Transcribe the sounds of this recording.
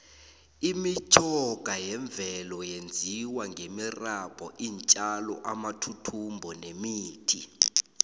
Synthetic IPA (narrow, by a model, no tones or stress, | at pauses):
imit͡ʃʰʼɔɡ̥ʱajɛɱb̪vʱɛlɔjend͡zʱiwaŋɡʱemirab̥ʱɔʔiːnt͡ʃʼalɔ̰ʔamatʰutʰumbʱɔnemiːtʰi